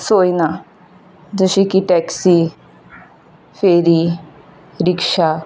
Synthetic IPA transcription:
soːiːna | d̪əʃiːkiʈɛːksiː | pʰeːɾiː | ɾɪkʃaː

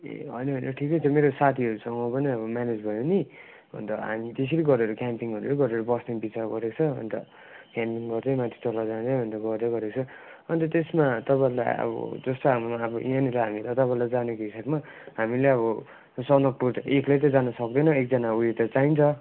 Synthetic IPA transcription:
ɦʌ̰jnʌʌnʌʈʰikʌtʌmeɾosat̪ʰiʌɾusʌŋɡʌpʌniʌbʌmaned͡zbʱʌjoni | bʌ̰nt̪ʌɦa̰mit̪es̬eɾiɡʌɾeɾokampiŋʌɾuleɡʌɾeɾobʌsnebit͡saɾɡʌɾekt͡sʰʌʌ̰nt̪ʌ̰ | kampiŋɡʌrd̪ʌjmat̪ʰi̥t͡solad͡zãd͡zʌjbʱʌnt̪ʌɡʌrd̪ʌɡʌɾekt͡sʰʌ | ʌnit̪ʌt̪esmat̪ʌpala̰j̰ʌ̰bʌ̰d͡zʌst̪oɦamumaʌbʌʔianilaɦamilʌt̪ʌpãẽlad͡zanekoɦisabma | ɦamileʌβʌ | sʌnʌk̚ʈut̪ʌeklajt̪ʌd͡zanʌsʌk̚d̪ʌnʌek̚d͡zʌnaujet̪ʌt͡saint͡sʰʌ

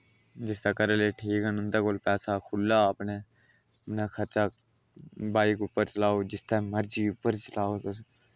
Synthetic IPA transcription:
d͡ʒɪst̪aːkəɾeleːʈʰiːkənʊnt̪aːkoːlpɛːsaːkʰʊlːaːəpneː | nekʰəɾt͡ʃaː | baːikʊpːəɾt͡ʃəlaːoːd͡ʒɪst̪aːməɾd͡ʒiːʊpːəɾt͡ʃəlaːot̪s

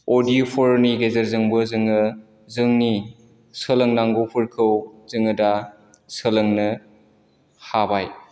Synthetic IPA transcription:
odipʰɔɾniɡezɐɾzɯŋbɯzɯŋɯ | zɯŋni | sələŋnaŋɡopʰɯɾkʰɯwzɯŋɯda | sələŋnɯ | habaj

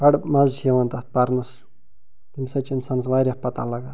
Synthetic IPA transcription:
bɐɽmɐzt͡ʃʰeʋɐnt̪at̪̚pɐɾnɐs | t̪imsɐt͡ʃinsansʋaɾʲjahpɐt̪alɐɡaː

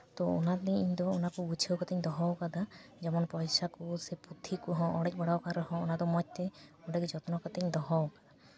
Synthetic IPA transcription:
t̪ɔɔ̰nat̪niiɲd̪ɔːnakubut͡ʃʰəwkat̪ɛɲd̪ɔɦɔwkad̪ad͡ʒɔmɔnpɔjsakuseput̪ʰːikuɦɔ̃ʔɔɽɛc̚bɔɽawkaɾɔɦɔ̃ɔnad̪ɔmɔc̚t̪ɛɔɖakid͡ʒɔt̪ɔnɔkat̪ɛɲd̪ɔɦɔwkad̪a

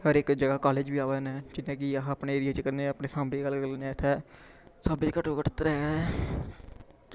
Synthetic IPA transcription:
ɦəɾɪːkd͡ʒəɡaːkaːleːd͡ʒbiːaːʋɛːnɛ̃ːd͡ʒɪnːẽːk̬ɪapneːeːɾɪjaːt͡ʃkəɾnẽapneːsãːmbeːɡəlkəɾneːɪt̪ʰːɛː | səbikəʈokəʈt̪ɾɛː

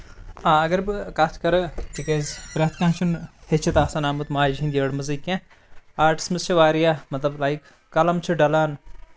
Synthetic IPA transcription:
ãːɐɡɐɾbkat̪ʰkɐɾɨʈikeːzbɾet̪ʰkãːt͡ʃʰunhet͡ʃʰɐt̪aːsanaːmut̪maːd͡ʒɦĩnd̪iɐɽmɐzikːẽ | aːɾʈi̥smɨzt͡ʃʰɐʋaːɾijamɐt̪lɐblajkː | ɐlɐmt͡ʃʰɨɖɐlaːn

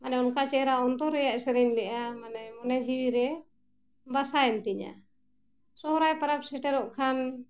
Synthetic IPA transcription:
manɛɔnkat͡ʃɛɾaɔnt̪ɔɾɛjaʔɛsɛɾɛɲlɛʔamanɛmɔnɛd͡ʒiwiɾɛ | basaɛnt̪iɲa̰ | sɔɦɾajpaɾap̚sɛʈɛɾɔʔkʰan

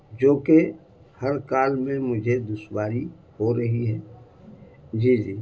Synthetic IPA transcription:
d͡ʒoːke | hɐɾkaːlmẽmʊd͡ʒʱed̪ʊʃwaːɾi | hoɾɐɦiɦɛː | d͡ʒiːd͡ʒiː

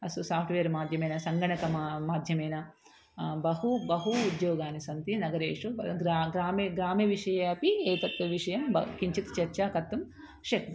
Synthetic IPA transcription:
ɐsɐsaːpʰʈʰʋeːɾmaːd̪ʱjɐmɐjnɐsɐŋɡɐɳɐkɐmaːd̪ʱjɐmɐjnɐ | bɐɦubɐɦuːd̪joːɡaːnisɐnt̪inɐɡɐɾeːʂuɡɾaɡɾaːmɡɾaːmiʋiʂɐjapieːt̪ɐt̪ʋɐʋiʂɐjɐmbɐ̰kiɲt͡ʃit̪i̥t͡ʃɐɾt͡ʃaːkɐt̪ːɐm | ʂek

